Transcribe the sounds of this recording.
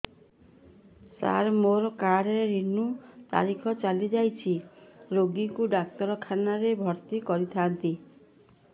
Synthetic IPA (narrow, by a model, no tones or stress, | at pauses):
sa̰ɾmoɾɔkaɽɔɾeɾinut̪a̰ɾikʰɔt͡ʃalid͡ʒajt͡ʃʰiɾoɡikuɖak̚t̪ɔɾɔkʰanaɾebʱɔɾt̪ikɔɾit̪ʰant̪i